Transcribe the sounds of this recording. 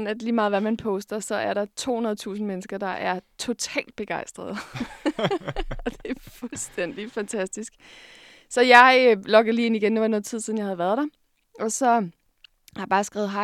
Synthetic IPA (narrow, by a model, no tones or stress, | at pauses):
n̩æd̥liːmɑ̈ːð̩ˠʋæmænpʰɔ̽sd̥ɐsɒ̽æɐɾɑ̈t͡sʰo̝̰ːhunɐð̞̩ˠt͡sʰṵːsn̩menəsɡ̥ɐd̥ɑ̈ʔæɐt͡sʰo̝t͡sʰɛ̰ːld̥̚b̥e̝ɡ̥ɑ̈ɪsd̥ʁɐð̩ˠ | ɒ̽d̥e̝ɐfulsd̥en̰d̥ifænt͡sʰæsd̥isɡ̥ | sɒ̽jɑ̈ɪlɒ̽ɡ̥ð̩ˠliːe̝niɡ̥end̥e̝ʋɑnɔ̽ːð̩ˠt͡sʰið̞̰ˠiðnjɑ̈hæðˠʋæːɐð̞ˠd̥ɑ̈ | ʔɒ̽sɒ̽ | hɑbɑ̈ːsɡ̥ʁɛːʊð̩ˠɦɑ̈